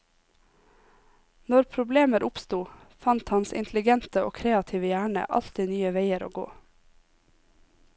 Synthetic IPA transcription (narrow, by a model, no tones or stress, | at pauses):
nɔɾpʰɾʊbleːməɾʔʊpst̪uːfɑnt̪hɑnsɪ̰nt̪ʰlɪɡɛnt̪əo̰ːkʰɾeːɑt̪ʰiːʋəjæːɳə̰ʔɑ̰lt̪ɪnyːəʋeɪəɾo̰ːɡo̰ː